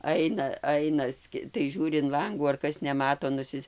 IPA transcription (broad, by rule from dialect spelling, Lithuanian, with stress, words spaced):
ˈɐɪnɐ ˈɐɪnɐ ˈsʲkʲɪ tɐɪ ˈʒʲuːrʲɪ ɪn ˈlˠɐŋɡuː ɐr ˈkɐs nʲɛˈmɑːtoː nʊˈsʲɪsʲ